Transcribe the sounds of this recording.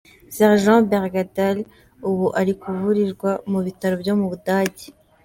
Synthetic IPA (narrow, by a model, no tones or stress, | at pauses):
sɛʁʒɑ̃beʁɡadal | uβuʔaɾikuvuɾiɾɡwamuβitaɾobjo̞muβudaːɟi̥